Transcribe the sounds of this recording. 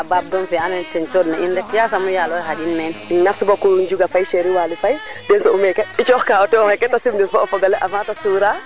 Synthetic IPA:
abab̚ɡɔnfɛanɛntɛnt͡ʃɔdnaindɛkjasamujalɔjɦad͡ʒinmɛnnafsibɔkuɲd͡ʒuɡafajʃeɾiwaːlifajdɛnsɔumɛkɛit͡ʃɔxkaɔtɛɔŋɛkɛtːasimdifɔfɔɡalɛʔafatasuːɾa

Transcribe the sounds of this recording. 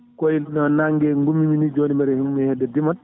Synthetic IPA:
kɔjnɔnaŋɡɛŋɡumːiminid͡ʒonimɛɾɛhimmihɛdːɛdiman

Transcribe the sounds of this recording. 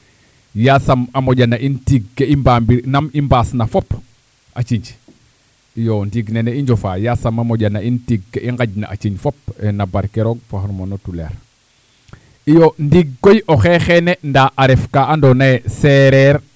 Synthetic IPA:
jasamamoɟanaʔintiɡːeimbambiɾnamimbaːsnafop | a̰t͡ʃiɲd͡ʒ | ijondiɡneneiɲɟofa̰ːjasamamoɟanːaintiɡ̚ːeʔiŋɡaɟna̰ʔa̰t͡ʃiɲfopenabaɾkeɾoɡ̚faɦoɾmonotulḛɾ | ijondiɡːojoxexenendaʔaɾefkaʔandonaeseɾeɾ

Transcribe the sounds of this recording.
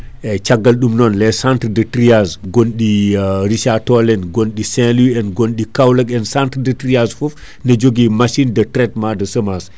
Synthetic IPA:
ɛt͡ʃaɡːɐlɗumnɔnlɛsantɾdətɾiasɡonɗiɾiʃatɔlɛnɡonɗisɛ̃luɛnɡonɗikawlɐkɛnsantɾdətɾiasfɔf | nɐd͡ʒoɡimaʃindɐtɾɛt̚madɐsəmas

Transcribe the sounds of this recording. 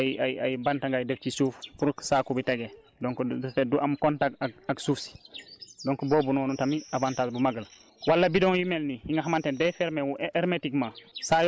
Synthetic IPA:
ajajbantaŋɡajdɛft͡ʃisufpuɾksakubiteɡɛ | dɔŋkɔfeduʔamkɔntakaaksufsi̥dɔŋkɔboːbunɔnutamiabantatbumaɡal | walːabidɔ̃ŋjumelnihiŋɡaɦamantɛndɛfɛɾmewuʔɛɾmetikmasaj

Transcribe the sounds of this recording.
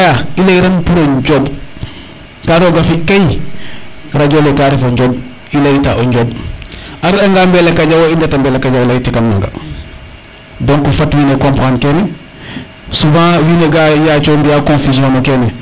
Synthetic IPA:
jaileiɾanpuɾoɟob | kaɾoːɡafikaj | ɾaɟolekaːɾifoɲɟoːb̚ | ilejitaʔoɲɟoːb | aɾaŋɡambelekaɟawoindatambelekaɟawlaitikanːa̰ŋɡa̰ | dõŋkufatwiːnekõmpaːnkeːne | sufãːwiːneɡajat͡ʃoːmbiakõnfisiõnokeːne

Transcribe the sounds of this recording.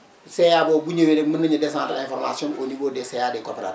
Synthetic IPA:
sejaːboːbuɲewenemənəɲedesãːntaẽfoɾma̰ːsiononiboːdesejaːdekopeɾa̰d

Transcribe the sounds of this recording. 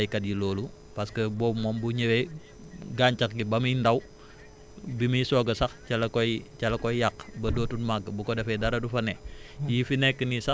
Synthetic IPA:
jkɐt̚jilɔːlu | pɐskəbɔmɔmbuɲewe | ɡaːɲt͡ʃɐkɡibɐmindɐw | biməisɔːɡɐsɐxt͡ʃɐlɐkɔjt͡ʃɐlɐkɔjjakbɐdoːtunmaɡbukɔdɐfɛdɐɾɐdufɐnɛjifinɛkːənisɐ

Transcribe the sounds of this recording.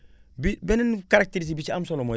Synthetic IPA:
bibennkaɾak̚teɾis̬bit͡ʃiamsolomo

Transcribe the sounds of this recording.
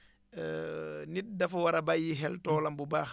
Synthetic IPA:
nit̚dɐfwaɾɐbajiɦɛltɔːlɐmbubax

